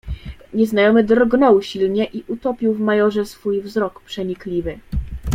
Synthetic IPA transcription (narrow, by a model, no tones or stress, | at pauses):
ɲɛznajɔmɘd̪rɡnɔwɕilɲɛʔiʔut̪ɔpʲiwvmajɔʐɛsfujvzɾɔkpʂɛɲiklʲivɘ